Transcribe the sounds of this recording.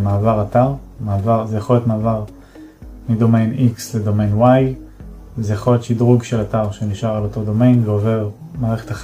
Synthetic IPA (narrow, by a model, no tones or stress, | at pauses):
maːvaʁataʁmaːvaʁzejaχoljot̪maːvaʁ | mido̞mejniksledo̞mejnwaj | zejaχo̞ljot̪ʃidʁuɡʃelataʁʃeniʃaʁalo̞to̞d̪o̞mejnveove̞ʁ | maːʁeχetaχ